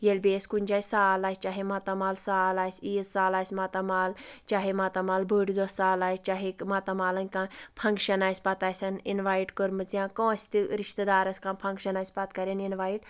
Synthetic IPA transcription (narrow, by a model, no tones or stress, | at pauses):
jelʲbeːskunʲd͡ʒaːjʲsaːlaːsʲt͡ʃaɦimɐt̪ɐmaːlsaːlaːsʲiːzsaːlaːsʲmat̪ɐmaːlt͡ʃaɦimɐt̪ɐmaːlbəɽid̪osːaːlaːjst͡ʃaɦikmɐt̪ɐmaːlɐŋʲkãpʰɐŋkʃɐnaːjsʲpɐt̪aːjsʲɐninʋaːjʈkəɾmɨt͡sjãːkõːsʲt̪iɾiʃt̪əd̪aːɾɐsʲkãnpʰɐŋkʃɐnaːsʲpɐt̪kɐɾʲeninʋaːjʈ